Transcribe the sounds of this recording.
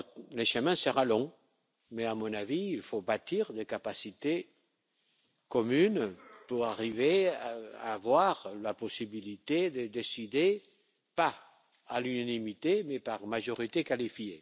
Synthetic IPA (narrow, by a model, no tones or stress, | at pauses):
leʃəmɛ̃səʁalɔ̃ | mɛamɔ̃naviːlfobat̪iʁd̪ekapasit̪e | kɔmynpuʁaʁiveaa̰ːvwaʁlapɔsibilit̪ed̪əd̪esid̪e | pa | alynanimit̪emɛpaʁmaʒɔʁit̪ekalifje